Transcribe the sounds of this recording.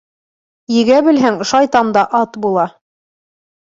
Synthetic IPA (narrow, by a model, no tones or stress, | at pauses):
jɘ̆ɡæbɘ̆lɦæŋʃɑjt̪ɑmd̪ɑʔɑt̪bulˠɑ